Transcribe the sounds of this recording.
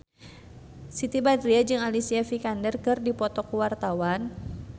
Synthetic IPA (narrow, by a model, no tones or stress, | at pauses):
sit̪ibadɾiad͡ʒɨŋalisiafikandərkɨrdipɔt̪ɔkuwart̪awan